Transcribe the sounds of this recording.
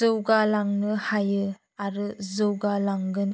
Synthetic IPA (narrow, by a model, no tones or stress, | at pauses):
zɯwɡalaŋnɯhajɯ | aɾɯzɯwɡalaŋɡɯn